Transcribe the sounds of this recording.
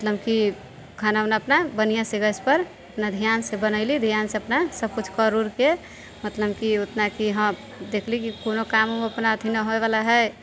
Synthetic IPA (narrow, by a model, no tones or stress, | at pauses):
mət̪ləbki | ɡʰʱananaəpnabənijaseɡəspəɾ | əpnad̪ʱijansebənəɪlid̪ʱjaːnseəpnasəb̚kut͡ʃʰkəɾuɾke | mət̪ləb̚kiʊt̪nakiɦə̃ | d̪eːkʰlikikonokamomeəpnaət̪inəɦoeβalaɦɛ